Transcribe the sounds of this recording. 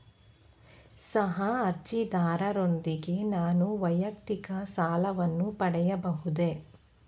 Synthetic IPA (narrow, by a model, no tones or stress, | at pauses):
sɐɦɐɐɾt͡ʃid̪aːɾɐɾond̪iɡe̞naːnuʋɐjɐkt̪ikɐsaːlɐʋɐnːupɐɽɛjɐbɐɦud̪e̞